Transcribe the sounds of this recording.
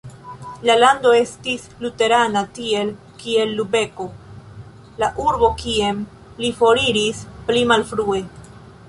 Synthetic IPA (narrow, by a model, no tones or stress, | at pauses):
lalando̞e̞stis | lute̞ɾanatie̞l | kie̞lːube̞ko̞ | laʔuɾbo̞kiem | lifo̞ɾiɾisplimalfɾue̞